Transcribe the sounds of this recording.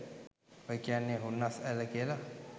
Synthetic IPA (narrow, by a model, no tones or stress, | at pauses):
oikianːeɦunːasaləkiəla